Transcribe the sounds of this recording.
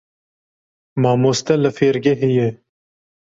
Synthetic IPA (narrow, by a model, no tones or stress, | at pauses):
mɑːmoːst̪ɛləfeːɾɡeɦeje